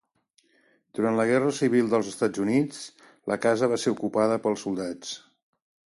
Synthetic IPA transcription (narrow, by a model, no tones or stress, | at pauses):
d̪̥uɾant̪ləɣ̞ɛrəsiβ̞ilˠd̪əlˠzəst̪ad͡zunit͡s | ləkazəβ̞aseɾukupaðəpəlˠsulˠd̪at͡s